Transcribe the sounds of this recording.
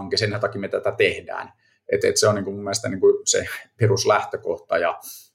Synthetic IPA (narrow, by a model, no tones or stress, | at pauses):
ŋkisenænt̪ɑkimet̪æt̪æt̪ehdæ̰ːn | ḛt̪ḛt̪seoniːŋkumumːielest̪æniːŋkusḛperuslæht̪økoht̪ɑjɑ